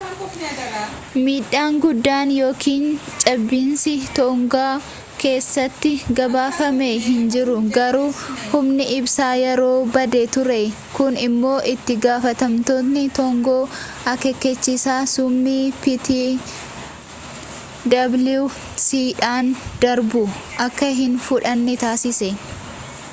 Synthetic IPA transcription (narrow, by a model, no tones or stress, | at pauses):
miːᶑːaːŋɡʊd̪ːaːnjo̞ːkʰiːnt͡ʃʼɐbːiːnsɪt̪ɔʊŋɡaː | ke̞ːsːɐt̪ːɪɡɐbaːfɐmeɦɪnd͡ʒɪɾʊɡɐɾuːhʊmnɪʔɪbsaːjɛɾo̞ːbɐd̪et̪ʊɾe | kʊnɪmːo̞ːʔɪt̪ːɪɡaːfɐt̪ɐmt̪o̞ːt̪nɪt̪ɔŋɡoː | ɐkɛkːɛt͡ʃːisaːsʊmːiːpit̪i | d̪ɐblu | siːᶑaːnd̪̥ɐɾbʊʔɐkːɐɦɪnfʊᶑɐnːɪt̪aːsɪsɛ